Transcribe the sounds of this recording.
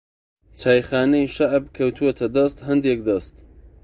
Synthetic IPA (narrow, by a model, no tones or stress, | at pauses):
t͡ʃʰaːjxaːnejʃaʕbkʰɐwt̪ʰuet̪ʰɐd̪ɐst̪ɦɐnd̪ek̚d̪ɐst̪